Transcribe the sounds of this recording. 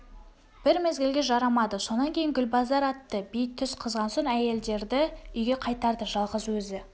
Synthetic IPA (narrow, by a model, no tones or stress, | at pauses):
b̥ɪɾmezɡʲɪlɡʲe̞ʒɑɾɑmɑd̪əso̞nɑŋkʲʰe̞jɪŋɡʲʏlbɑzɑɾɑt̪ːəbijt̪ʰːʏsqʰəzʁɑnsoɴæje̞ld̪e̞ɾd̪ɪʏjɡʲe̞qʰɑjt̪ɑɾd̪əʒɑlˠʁəzwɵzɪ